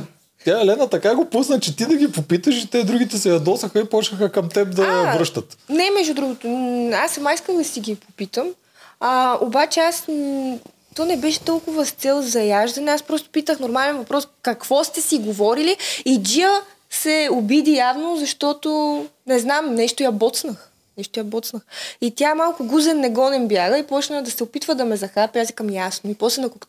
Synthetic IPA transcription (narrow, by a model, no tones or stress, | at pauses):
t̪ʲaɛlɛnɐt̪ɐkaɡopusnət͡ʃɛt̪id̪ɐɡʲipopit̪əʃit̪ɛd̪ɾuɡʲit̪ɛsɛjɐd̪ɔsɐxɐipɔt͡ʃəxəkɐmt̪ɛp̚d̪ɐvɾɤʃt̪ɐt̪nɛmɛʒud̪ɾuɡot̪ʊasɐmaiskəlˠd̪ɐsiɡipopit̪əm | ɐobat͡ʃɛas | t̪ɔnɛbɛʃɛ̥t̪ɔlˠkʊvɐst̪sɛlˠzɐjaʒd̪ɐnɛaspɾɔst̪ʊ̥pit̪əxnoɾmalɛnvɐpɾɔskɐkv̥ɔst̪ɛsiɡovɔɾiliid͡ʒiə | sɛʊbid̪ijavnozɐʃt̪ɔt̪onɛznamnɛʃt̪ʊjɐbɔt̪snəx | nɛʃt̪ojɐbɔt̪snəxit̪ʲjamalˠkʊɡuzɛnːɛɡɔnɛmbjaɡəipɔt͡ʃnəd̪ɐsɛopit̪vəd̪ɐmɛzɐxapjazikɐmjasnoipɔslɛnɐkok